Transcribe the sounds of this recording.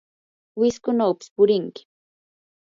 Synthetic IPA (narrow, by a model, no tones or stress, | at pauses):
wɪskʊnawpɪ̥spʊɾɪŋkɪ̥